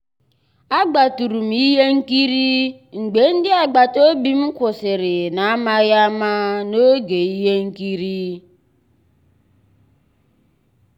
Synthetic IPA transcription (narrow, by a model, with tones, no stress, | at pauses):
a˦ɡ͡ba˨tu˨ɾu˨m̩˨i˦ɦe˦ŋ̩˦ki˦ɾi˦ | ŋ͡m̩˨ɡ͡be˨n̩˦dɪ˦a˨ɡ͡ba˨to˦bi˦m̩˦kʷʊ˨sɪ˨ɾɪ˨na˨˦ma˦ja˦ma˦no˦ɡe˨i˦ɦe˦ŋ̩˦ki˦ɾi˦